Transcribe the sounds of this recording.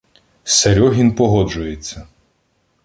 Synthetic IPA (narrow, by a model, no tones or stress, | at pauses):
sɐɾʲɔɦʲinpɔɦɔd͡ʒʊjet͡sʲːɐ